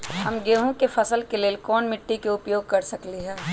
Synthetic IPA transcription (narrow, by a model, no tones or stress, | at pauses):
ɦɐmɡeːɦõkefʰɐsəlkeleːlkɔːnmɪʈːikeʊpjoːɡ̚kɐɾsɐkliɦɛː